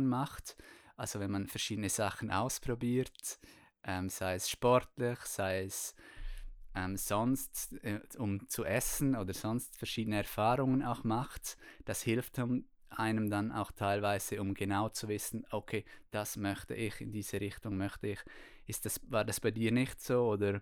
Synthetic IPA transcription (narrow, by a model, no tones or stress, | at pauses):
nmaχtʔalz̥ovɛnmanfɛɐʃiːdənəz̥aχən̩ʔa̰ʊspʁ̥obiːɾt | ʔɛmz̥aɪɛsʃpɔɾtlɪçsaɪɛs | ʔɛmz̥ɔnstɛʊmt͡suʔɛsn̩oːdəɾz̥ɔnstfɛɐʁʃiːdənəɛɐɾfaːɾʊŋənaʊxmaχtd̥ashɪlftm | ʔaɪnəmdana̰ʊxtʰaɪlvaɪz̥əʊmɡenaʊt͡suvɪsn̩ʔokʰeːd̥asmœçtə̰ʔɪxɪndiːz̥əɾɪxtʊŋmœçtəɪx | ɪst̚d̥asvaːɾdasb̥aɪdiːɾnɪçtsoːoːdəɾ